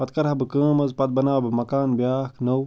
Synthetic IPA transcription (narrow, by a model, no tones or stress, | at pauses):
pɐt̪̚kɐɾɐbɨkə̃ːmɐzpɐt̪̚bɐnaːwbɨmɐkaːnbjaːknɐw